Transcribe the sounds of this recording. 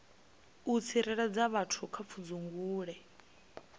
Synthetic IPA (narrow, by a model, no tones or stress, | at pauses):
ut͡sʰiɾɛɺad͡zaβatʰukʰap̪fʰud͡zuŋɡuːɺɛ